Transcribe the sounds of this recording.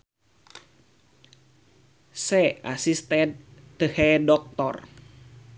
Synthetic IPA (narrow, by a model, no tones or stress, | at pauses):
sɛasist̪ɛt̪ːəhɛdɔk̚t̪ɔ̰r